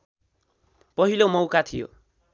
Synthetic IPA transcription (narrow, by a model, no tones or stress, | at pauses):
pʌɦilomʌwkat̪ʰijo̰